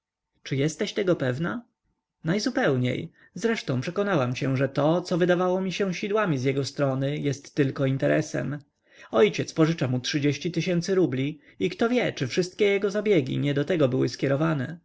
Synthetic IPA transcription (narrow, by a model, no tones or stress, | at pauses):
t͡ʂɘjɛst̪ɛɕt̪ɛɡɔpɛvna | najzupɛwɲḛj | zɾɛʂt̪ɔ̃w̃pʂɛkɔnawamɕɛʐɛt̪ɔt̪sɔvɘd̪avawɔmʲiɕɛ̃ɕid̪wamʲizjɛɡɔst̪ɾɔnɘjɛst̪ːɘlkɔint̪ɛɾʔɛsɛ̰m | ɔjt͡ɕɛt̪spɔʐɘt͡ʂamutʂɘd͡ʑeɕt͡ɕit̪ɘɕɛnt̪sɘɾublʲi | ikt̪ɔvʲjɛt͡ʂɘfʂɘst̪̚kʲɛjɛɡɔzabʲjeɡʲḭɲɛd̪ɔt̪ɛɡɔbɘwɘskʲɛɾɔvanɛ